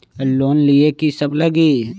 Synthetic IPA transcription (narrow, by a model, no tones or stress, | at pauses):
loːnliekisɐbləɡi